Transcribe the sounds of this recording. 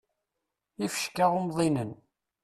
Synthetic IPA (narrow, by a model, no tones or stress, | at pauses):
ifə̥ʃkaomðˤinən